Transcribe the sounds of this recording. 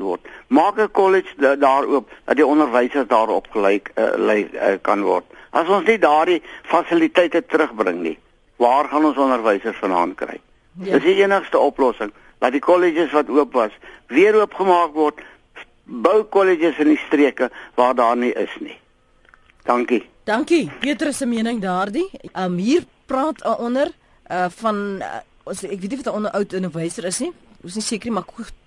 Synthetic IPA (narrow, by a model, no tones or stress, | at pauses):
vɔ̰rt̚mɑːkəkɔləd͡ʒdɑːɾuəp̚d̥ɐt̚diɔndərvɛjsərsdɑːɾɔpχəlɛj̰lɛj̰kɐ̰nvɔ̰rt̚ʔɐsɔnsnidɑːrdifɐsilitɛjtətəɾəχbrə̰ŋnḭ | vɑːrχɐnɔnsɔndərvɛjsərsfənɦɐ̰ːntkrɛ̰j | dəsiiənəχstəɔplɔsəŋ | dɐt̚dikɔlid͡ʒəsvɐtuəpvɐsviəɾuəpχəmɑːkvɔrt | bœwkɔled͡ʒəsəndistriəkəvɑːrdɑːrniʔə̰snḭ | d̥ɐŋki | d̥ɐŋkibiətəɾəsəmiənəŋdɑːrdiʔəmɦiːrprɑːtəʔɔnər | əfɐn | ɔsɛkviətnivɐtdɑːɔnərʔœwtənərvəjsəɾəsnisnisiəkərimɐkxu